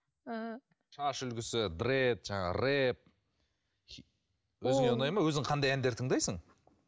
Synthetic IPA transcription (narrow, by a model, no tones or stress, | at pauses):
ʃɑʃʏlɡʲɪsɪd̪ret̪ʒɑɴɑ̰ɾep̚ | wɵzɪŋeʊnɑjmɑwɵzɪŋqʰɑnd̪ɑjænd̪eɾt̪ʰəɴd̪ɑjsəɴ